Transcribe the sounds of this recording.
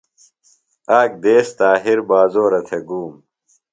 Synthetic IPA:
aːk̚d̪eːst̪aːɦiɾbaːzoːɾɐt̪ʰeɡuːm

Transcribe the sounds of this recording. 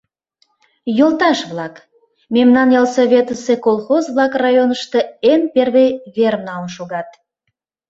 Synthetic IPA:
jolt̪ɑʃβlɑk | memnɑnjɑlsoβʲet̪əsekolˠxozβlˠɑkrɑjonəʃt̪əenperβejβermnɑəmʃoɣɑt̪̚

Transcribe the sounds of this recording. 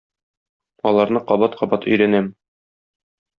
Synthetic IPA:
ɒlˠɑɾnɤqɒbɑt̪qʰɒbɑt̪ɵ̆jɾænæm

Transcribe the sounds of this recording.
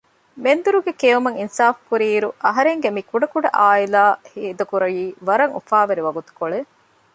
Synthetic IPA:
mend̪uɾuɡekeːumɐŋinsaːfkuɾiːɾuʔɐɦɐɾeŋɡemikuɖɐkuɖɐʔaːilaːhiːd̪ɐkuɾɐjiːʋɐɾɐŋṵfaːʋɐɾiʋɐɡut̪u̥koɭe

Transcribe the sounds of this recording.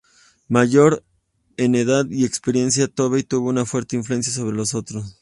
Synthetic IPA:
maʝo̞ɾ | e̞ne̞ðaðie̞kspeɾje̞nsjat̪o̞βejt̪uβo̞unafwe̞ɾt̪e̞iɱfluens̬jas̬o̞βɾe̞lo̞so̞t̪ɾos

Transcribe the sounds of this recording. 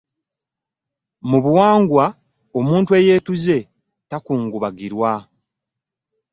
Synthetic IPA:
muβuwaːŋɡwa | o̞muːntwe̞jeːtuze̞ | takuːŋɡuβaɡiɾwa

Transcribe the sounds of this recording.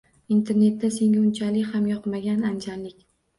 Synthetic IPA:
int̪ʰe̞ɾne̞t̪ːase̞ŋʲaʊnt͡ʃʰalɪkʲhamjɒqmaɡʲanand͡ʒanlɪkʲ

